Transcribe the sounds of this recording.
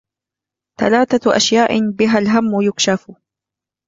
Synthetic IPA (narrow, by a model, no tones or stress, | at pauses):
θa̰laːθaʔa̰ʃjaːʔbɪɦalɦamːʊjʊkʃaf